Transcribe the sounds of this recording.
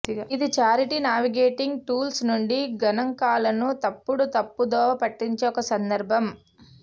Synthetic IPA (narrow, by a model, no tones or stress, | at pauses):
id̪it͡ʃaːɾiʈinaːʋiɡeːʈiŋɡʈuːlsnuɳɖiɡɐnɐŋkaːlɐnut̪ɐpːuɽut̪ɐpːud̪ɔːɐpɐʈːiɲt͡ʃeɔkɐsɐnd̪ɐɾbʱɐm